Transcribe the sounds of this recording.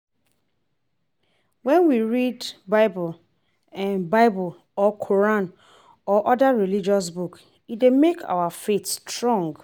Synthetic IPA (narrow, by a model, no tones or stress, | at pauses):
wɛ̃nwiɹidbaɪbl | ɛ̃nbaɪbl | ɔkʰɔɹãn | ɔʔɔdaɹilid͡ʒɔs̬buk | itdemekʰa̰wafetstɹɔ̃ŋɡ